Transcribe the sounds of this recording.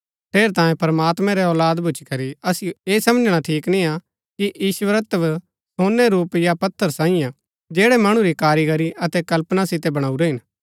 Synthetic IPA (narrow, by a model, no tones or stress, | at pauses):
ʈʰeːɾt̪ãːjẽpɐɾɐmaːt̪mɛ̃ɾɛɔːlaːd̪bʱʊt͡ʃikɐɾiɐsɪjoeːsɐməd͡ʒɽ̃aʈʰiːknĩa | kiʔjiːʃuʋəɾət̪əʋ | soːnːɛɾuːpjapɐt̪ʰːəɾsãːɪ̃jã | d͡ʒɛːɽɛmɐɽ̃ũɾikaːɾiɡɐɾiʔɐt̪ɛkɐlpnasɪt̪ɛbɐɽ̃aːuɾeɦɪn